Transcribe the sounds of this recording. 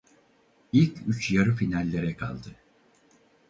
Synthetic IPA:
ilʲcʰyt͡ʃjaɾɯfinalʲːe̞ɾɛkʰa̰lˠd̪ɯ

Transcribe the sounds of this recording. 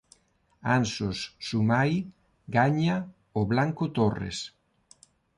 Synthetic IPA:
ansosːumaj | ɡaɲa | oβlaŋkot̪orḛs

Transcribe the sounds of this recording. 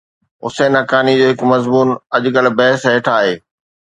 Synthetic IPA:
ʊ̰seːnɐkaːnid͡ʑoːɦɪkmɐzmuːnɐʄʊkəlbɐɦɪsɦeːʈʰaːɦeː

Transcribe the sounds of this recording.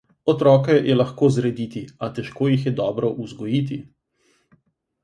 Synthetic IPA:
ɔt̪ɾɔːkɛjʔɛlɐxkoːzɾɛd̪it̪iat̪ɛʃkoːjixjɛd̪ɔːbɾɔʔuzɡɔjiːt̪i

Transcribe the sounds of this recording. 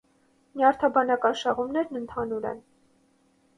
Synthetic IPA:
mjɑɾt̪ʰɑbɑnɑkɑnʃɑʁumnɛɾnənt̪ʰɑnuɾɛ̰n

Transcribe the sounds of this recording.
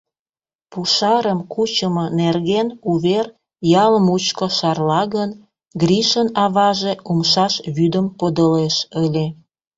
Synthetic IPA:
puʃɑɾəmkut͡ɕəmonerɣenuβer | jɑləmut͡ɕkoʃɑrlɑɣən | ɡriʃənɑβɑʒeumʃɑʃβyd̪əmpod̪əleʃəlʲe

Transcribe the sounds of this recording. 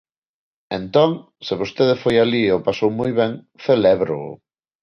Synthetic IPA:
ẽnt̪ɔŋ | sɪβost̪eðefojaliopasowmojβɛŋ | θelɛβɾo̰ʊ̰

